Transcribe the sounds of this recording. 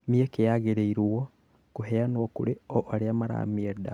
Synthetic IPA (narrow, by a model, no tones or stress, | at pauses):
miekejaɣeɾeiɾwo | kuɦeanwokṵɾeoʔaɾeamaɾa̰mieda